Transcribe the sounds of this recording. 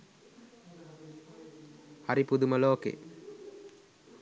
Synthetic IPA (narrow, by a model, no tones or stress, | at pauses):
haɾipud̪uməloːkḛː